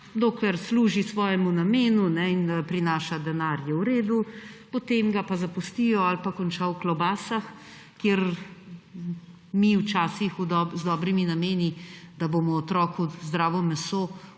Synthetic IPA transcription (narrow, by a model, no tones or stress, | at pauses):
d̪oːklɛɾsluːʒisʋɔːjɛmunameːnunɛinpɾinaːʃad̪ɛnaːɾjɛwɾeːd̪upɔt̪eːmɡapazapust̪ijɔalpakɔnt͡ʃawklɔbaːsax | kjeɾ | miwt͡ʃaːsixud̪ɔzd̪ɔːbɾiminameːnid̪aboːmɔːt̪ɾɔːkuzd̪ɾaːʋɔmɛsoː